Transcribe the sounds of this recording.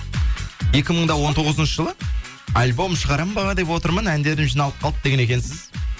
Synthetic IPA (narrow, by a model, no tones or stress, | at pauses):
je̞kʲɪməɴd̪ɑwo̞nt̪ʰo̞ʁəzənʃəʒəlˠə | ɑlʲbo̞mʃəʁɑɾɑmbɑʁɑd̪e̞pwo̞t̪əɾmənænd̪e̞ɾd̪ɪmʒijnɑlˠəp̚qʰɑlˠəp̚d̪e̞ɡʲene̞kʲensɪz̥